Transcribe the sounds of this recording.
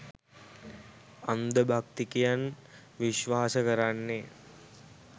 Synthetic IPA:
and̪əbʱakt̪ikijan | ʋiʃʋaːsəkəɾanːe

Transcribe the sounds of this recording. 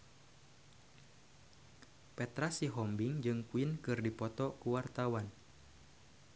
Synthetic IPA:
pɛt̪ɾasiɦɔmbiŋd͡ʒɨŋkuinkɨrdipɔt̪ɔkuwart̪awan

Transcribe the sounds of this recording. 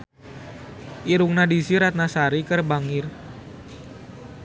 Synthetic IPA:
ʔiɾuŋnadisiɾat̪̚nasaɾikərbaŋir

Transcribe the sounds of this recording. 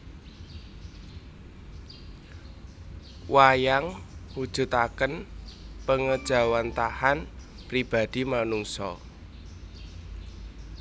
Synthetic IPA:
wajaŋhud̥ʒ̥ṳt̪akənpəŋəd̥ʒ̥a̤want̪ahan | pɾib̥a̤d̪̥i̤manuŋsɔ

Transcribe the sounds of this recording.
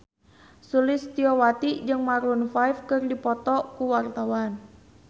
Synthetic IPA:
sulɪst̪iɔwat̪id͡ʒɨŋmaɾunfajfkɨrdipɔt̪ɔkuwart̪awan

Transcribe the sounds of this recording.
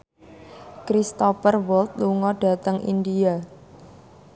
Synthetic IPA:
kɾist̪ɔfərwɔlt̪̚luŋɔɖ̥a̤t̪əŋʔḭndia

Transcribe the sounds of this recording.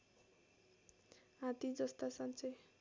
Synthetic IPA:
ɦãt̪id͡zʌst̪asant͡sʌj

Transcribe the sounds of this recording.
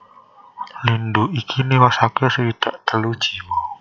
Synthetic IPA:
linduʔikʰiniwasakɛsəwit̪aʔt̪əlud̥d͡ʒ̥iwɔ

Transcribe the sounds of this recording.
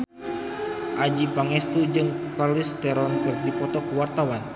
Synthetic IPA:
ʔad͡ʒipaŋɛst̪ud͡ʒɨŋkarlist̪ɛɾɔnkɨrdipɔt̪ɔkuwart̪awan

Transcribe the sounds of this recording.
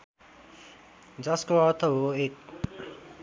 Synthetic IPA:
d͡zʌskoʌɾt̪ʰʌɦoek̚

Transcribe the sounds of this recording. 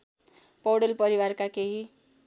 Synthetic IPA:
pɔwɽʌlpʌɾiwaɾkakeɦi

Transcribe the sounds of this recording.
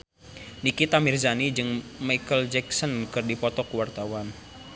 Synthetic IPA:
nikit̪amirzanid͡ʒɨŋmajkəld͡ʒɛksɔnkɨrdipɔt̪ɔkuwart̪awan

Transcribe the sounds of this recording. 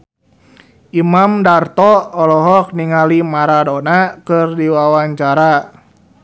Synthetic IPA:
ʔimamdart̪ɔɔlɔɦɔk̚niŋalimaɾadɔnakɨrdiwawaɲt͡ʃaɾa

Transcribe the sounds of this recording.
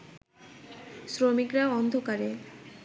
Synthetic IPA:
sɾomikɾaɔnd̪ʱokaɾe

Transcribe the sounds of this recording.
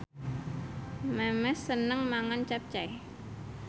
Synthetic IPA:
mɛmɛsːənəŋmaŋant͡ʃap̚t͡ʃaj

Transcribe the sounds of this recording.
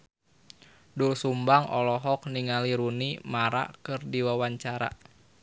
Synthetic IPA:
dulsumbaŋʔɔlɔɦɔk̚niŋaliɾunimaɾa̰kɨrdiwawaɲt͡ʃaɾa̰

